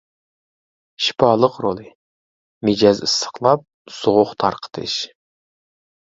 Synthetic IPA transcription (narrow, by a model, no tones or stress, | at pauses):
ʃi̥pɑːlˠəqɾolˠɨ | mɪd͡ʒɑzɨst̪ə̥χlˠɑp̚z̥oʁʊχt̪ʰɑɾqʰə̥t̪ʰɨ̰ʃ